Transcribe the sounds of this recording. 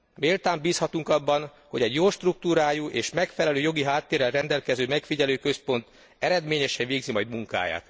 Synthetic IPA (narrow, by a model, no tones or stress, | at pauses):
meːlt̪aːmbiːshɒt̪uŋkɒbːɒn | ho̞ɟɛɟjoːʃt̪ruk̚t̪uːɾaːjuʔeːʃmɛkfɛlɛløːjo̞ɡiɦaːt̪ːeːɾɛlrɛnd̪ɛlkɛzøːmɛkfiɟɛløːkø̞spo̞nt̪ | ɛɾɛd̪meːɲɛʃɛnveːɡzimɒjd̪muŋka̰ːja̰ːt̪